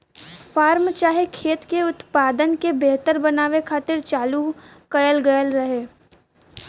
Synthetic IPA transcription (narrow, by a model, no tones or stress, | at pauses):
fʰaːɾmt͡ʃaːɦekʰeːt̪keʊt̪paːd̪ənkebeːt̪əɾbɐnaːʋekʰaːt̪ɪɾt͡ʃaːlu | kɐjəlɡɐjəlɾɐɦeː